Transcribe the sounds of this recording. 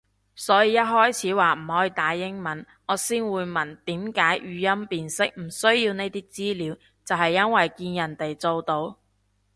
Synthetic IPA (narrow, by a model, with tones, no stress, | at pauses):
sɔː˨˥jiː˨˧jɐ˥t̚ɦɔː˥jt͡sʰiː˨˥waː˨m̩˨˩hɔː˨˥jiː˧t̪aː˨˧ɪ˥ŋmɐ˨˥n | ŋɔː˨˧siː˥nwuː˨˧jmɐ˨˩nt̪iː˨˥mkaː˨˥jɥyː˨˧jɐ˥mpiː˨nsɪ˥k̚m̩˨˩sɵ˥ɥjiː˧wne˧jt̪iː˥k̚t͡siː˥liː˨˧˥w | t͡sɐ˨whɐ˨jːɐ˥nwɐ˨jkiː˧njɐ˨˩nt̪e˨jt͡so˧wt̪o˨˧w